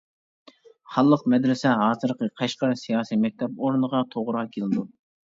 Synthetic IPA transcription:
hɑlˠːəqmɛd̪ɾɪsɛɦɑːzɨɾqʰəqʰɑʃqɑɾsijɑːsijmɛk̚ʲt̪ʰɛpoɾnəʁɑt̪ʰoʁʊɾʁɑkʲʰelɪd̪u

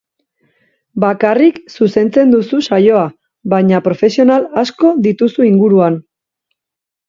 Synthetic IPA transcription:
bakariksuse̞nt͡se̞nd̪ususajo̞a | βaɲapɾo̞fe̞sio̞nalasko̞ðit̪usuiŋɡuɾuan

